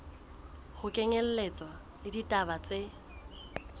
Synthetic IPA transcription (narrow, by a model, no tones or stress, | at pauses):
hʊkʼɛŋɛl̩let͡sʼwa | lɪditʼabat͡sʼe